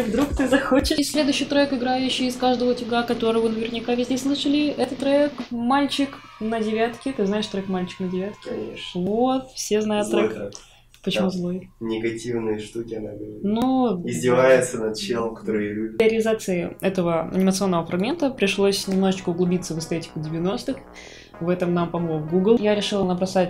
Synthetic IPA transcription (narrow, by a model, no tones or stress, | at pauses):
vd̪ɾukt̪ɨzɐxot͡ɕɪʂsʲlʲed̪ʊʉɕːɪjt̪ɾojkɪɡɾajʉɕːɪjɪskaʐd̪əvətʲɪɡakɐt̪o̞ɾəvənəvʲɪrnʲɪkavʲɪzʲdʲeslˠɨʂəlʲɪɛt̪ət̪t̪ːɾɐekmalʲt͡ɕɪk | nədʲɪvʲat̪kʲɪt̪ɨznaɪʂt̪ɾojkmalʲt͡ɕɪ̥knədʲɪvʲat̪kʲɪvot̪fsʲeznajʊt̪ːɾɛk | pət͡ɕɪmuzlˠojnʲɪɡɐtʲivnɨjəʂt̪ukʲɪnanuɪzʲdʲɪvajɪt̪sənɐt̪t͡ɕelˠəmkɐ̥t̪oɾɨjlʲubʲəɾʲɪlʲɪzat̪sɨɪɛt̪əvəɐ̰nʲɪmət̪sɨo̞nːəvəfɾɐɡmʲe̞nt̪əpɾʲɪʂlˠosʲnʲɪmnoʐɨt͡ɕkəʊɡlˠʊbʲit̪səvɨst̪ɛtʲɪ̥kʊdʲɪvʲɪno̞st̪ɨx | vɛt̪əmnampɐmlˠovɡuɡlˠjaɾʲɪʂɨlˠənəbɾɐsatʲ